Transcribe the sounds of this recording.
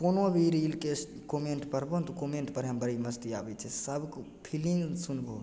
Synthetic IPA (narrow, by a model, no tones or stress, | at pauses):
konobʱiɾilke | komeɳʈpəɾbot̪okomeɳʈpəɾɦəmbəɾiməst̪iabɛt͡ʃʰɛsəbk | pʰiliŋsunbo̰